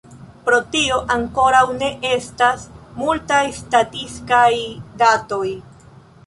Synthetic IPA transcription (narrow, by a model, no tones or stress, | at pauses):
pɾo̞tioʔaŋko̞ɾawne̞ʔe̞stasmultajstatiskajdato̞j